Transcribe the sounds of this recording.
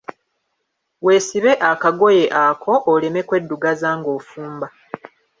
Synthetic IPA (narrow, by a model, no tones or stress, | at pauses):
we̞ːsiβe̞ʔakaɡo̞je̞ʔakʰo̞ʔːle̞me̞kwe̞dːuɡazaːŋɡo̞ːfuːmba